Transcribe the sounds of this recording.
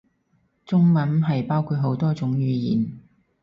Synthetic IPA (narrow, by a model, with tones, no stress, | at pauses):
t͡sʊ˥ŋmɐ˨˥nɦɐ˨jpaː˥wkʰuː˧t̚ɦo˨˥wt̪ɔː˥t͡sʊ˨˥ŋjyː˨˧jḭː˨n